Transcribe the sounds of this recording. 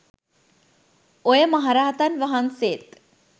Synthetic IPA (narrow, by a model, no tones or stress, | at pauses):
ojəməɦaɾaːɦt̪anʋəɦanseːt̪